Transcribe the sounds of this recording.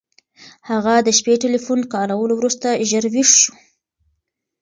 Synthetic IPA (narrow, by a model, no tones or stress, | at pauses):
haɣad̪əʃpeʈelifunkɑɾawəlowɾust̪aʒəɾwiʂʃu̥